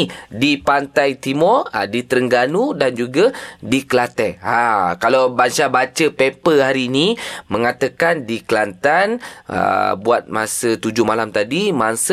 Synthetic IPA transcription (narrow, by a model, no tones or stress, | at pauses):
dipant̪ajt̪imɔra̰dit̪əɾəŋɡanudand͡ʒuɡadiklat̪ɛakalawbansabat͡ʃəpepəhaɾiːnimə̃ŋat̪əkandiklant̪anə̰buat̪̚ma̰sət̪ud͡ʒʊmalamt̪adimansə